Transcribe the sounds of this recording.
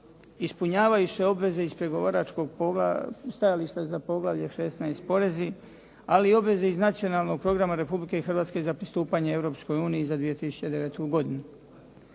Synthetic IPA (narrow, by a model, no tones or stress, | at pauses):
ispuɲaːʋajuse̞o̞bʋe̞ze̞izpɾe̞ɡo̞ʋaɾat͡ʃko̞ɡpst̪ajaliʃt̪azapo̞ɡlaʋʎeʃe̞snaispo̞ɾe̞zi | aliio̞bʋe̞ze̞iznat̪sijo̞nalˠno̞ɡ̚pɾo̞ɡɾamaɾe̞publike̞ixr̩ʋaːt̪ske̞zapɾist̪uːpaɲee̞vɾo̞ːpsko̞juːniizad̪ʋije̞t̪isu̥t͡ɕe̞d̪e̞ʋe̞t̪uɡo̞d̪inu